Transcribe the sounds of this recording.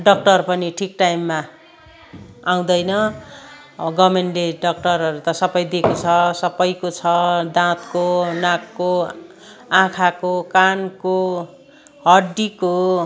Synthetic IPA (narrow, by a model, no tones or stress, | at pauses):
ɖʌk̚ʈʌrpʌniʈʰikʈajmːa | aw̃d̪ʌjnʌ | ʌɡʌmenleɖʌk̚ʈʌrʌɾut̪ʌsʌbʌjd̪ekot͡sʰʌsʌbʌjkot͡sʰʌd̪ãt̪konakːo | ãkʰakokanko | ɦʌɖiko